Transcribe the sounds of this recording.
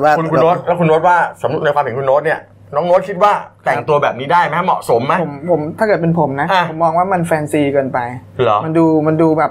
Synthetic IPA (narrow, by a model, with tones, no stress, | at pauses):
waː˥˩˧nku˧ɾoː˦˥t̪̚lɛː˦˥wkʰu˧nɾo˦˥t̪̚waː˥˩sa˨˩˦mɾu˦˥t̪na˧jkʰwa˧mhe˩˦ŋku˧nɾo˦˥t̪̚ni˥˩ɐ | nɔː˦˥ŋɾo˦˥kʰi˦˥t̪̚waː˥˩t̪ʰɛ˨˩ŋt̪u˧ɐbɛː˨˩p̚niː˦˥daː˥˩jma˦˥a˥˩mɔ̰˨˩ʔso˩˦mːa˦˥o˩˦mpʰo˩˦mt̪ʰa˥˩kɤː˨˩t̪̚pe˧npʰo˩˦mna˦˥ʔʰo˩˦mːɔː˧ŋwaː˥˩ma˧nfɛː˧nsiː˧kɤː˧npa˧jlɔ˦ma˧nduː˧ma˧nduː˧bɛː˨˩p̚